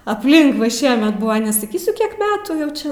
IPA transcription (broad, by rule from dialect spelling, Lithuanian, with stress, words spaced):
ɐpʲˈlʲɪŋk ʋɐ ˈʃʲiɛmʲɛt ˈbʊʋɐ nʲɛsɐˈkʲiːsʲʊ ˈkʲiɛk ˈmʲæːtuː jɛʊ ˈt͡ʃʲɛ